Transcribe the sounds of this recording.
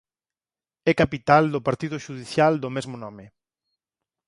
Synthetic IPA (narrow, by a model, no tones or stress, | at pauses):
ɛkapit̪ald̪ʊpaɾt̪iðʊʃuð̞iθjald̪ʊmezmʊnɔmɪ